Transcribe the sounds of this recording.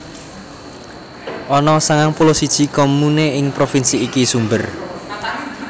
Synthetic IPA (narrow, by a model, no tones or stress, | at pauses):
ʔɔnɔsaŋaŋpulosid̥ʒ̥i̤komuneɪŋpɾofinsiːkisumbər